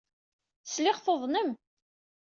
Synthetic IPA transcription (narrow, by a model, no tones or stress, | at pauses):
slɪʁθoðˤnəm